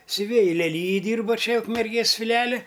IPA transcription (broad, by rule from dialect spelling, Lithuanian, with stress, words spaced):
sʲʊˈʋʲeːjɪ lʲɛˈlʲiːjɪj ˈdʲiːrbɐ ˈt͡ʃʲɛ ʊkmʲɛrʲˈɡʲeːs fʲɪˈlʲɪjɛlʲɪ